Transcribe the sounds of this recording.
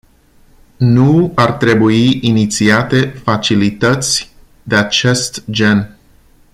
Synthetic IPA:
nuart̪ɾe̞buiʔinit̪siat̪e̞fat͡ʃilit̪ət̪sʲ | d̪e̞at͡ʃe̞st̪d͡ʒe̞n

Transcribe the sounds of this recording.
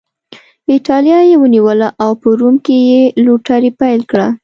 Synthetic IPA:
ɪʈɑljɑjewəniwəlaʔawpəɾumkejeluʈaɾipajlkɽa

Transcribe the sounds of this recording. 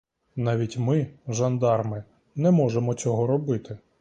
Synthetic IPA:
nɑʋʲitʲmɪʒɐnd̪ɑrmɪ | nɛmɔʒemɔt͡sʲɔɦɔɾɔbɪt̪ɪ

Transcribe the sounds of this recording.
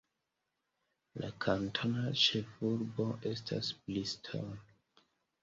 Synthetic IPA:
lʔakʰantʰonat͡ʃefuɾbo̞ʔe̞stʰa̰sblistʰo̰n

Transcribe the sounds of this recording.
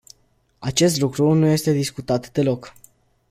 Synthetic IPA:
at͡ʃe̞st̪lukɾunuje̞st̪e̞d̪iskut̪at̪d̪e̞lo̞k

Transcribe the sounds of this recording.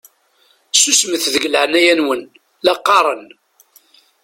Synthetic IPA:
susməθðəɡəlʕənæjænwən | lɑqːɑɾˤən

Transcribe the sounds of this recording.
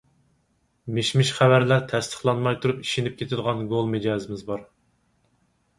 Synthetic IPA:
meʃmɪʃχævæɾlæɾt̪ʰɛst̪ʰə̥χlˠɑnmɑjt̪ʰuɾupi̥ʃenɪp̚kʲʰet̪ʰɪd̪ʁɑnɡolˠmed͡ʒɑːzɪmɪzbɑɾ

